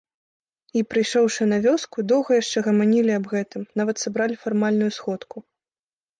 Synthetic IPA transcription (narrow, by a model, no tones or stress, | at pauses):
ipɾɨjʂɔwʂɨnɐvʲɔskud̪ɔwɣɐjaʂt͡ʂɛɣɐmanʲilʲiɐbɣɛt̪ɨmnavɐt̪sabɾalʲifarmalʲnujusxɔt̪ku